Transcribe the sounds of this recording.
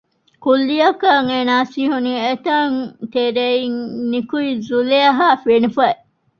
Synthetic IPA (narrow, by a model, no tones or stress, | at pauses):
kulːijɐkaŋenaːsiːɦuniːet̪ɐŋt̪eɾeiŋnikuizuleɐɦaːfenufɐe